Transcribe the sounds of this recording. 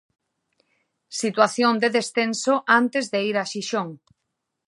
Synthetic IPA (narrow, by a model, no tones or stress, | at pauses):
sit̪waθjond̪eðesθẽnsoʔant̪ezðeiɾaʃiʃoŋ